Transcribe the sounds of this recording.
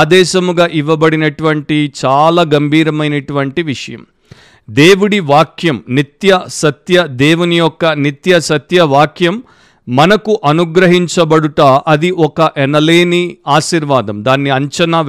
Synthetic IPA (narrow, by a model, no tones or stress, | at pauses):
d̪ɛːʃɐmuɡaːʔiʋːɐbɐɽinɐʈuʋɐɳʈit͡ʃaːlaːɡɐmbʱiːɾɐmɐjnɐʈuʋɐɳʈiʋiʂɐjɐ̰m | d̪eːʋuɽiʋaːkjɐmnit̪jɐsɐt̪jɐd̪eːʋunijɔkːɐnit̪jɐsɐt̪jɐʋaːkʰjɐmː | ɐnɐkuʔɐnuɡɾɐɦiɲt͡ʃɐbɐɽuʈaːʔɐd̪iʔɔkɐʔɛnɐleːniaːʃiːɾʋaːd̪ɐmd̪aːnːiɐɲt͡ʃɐnaː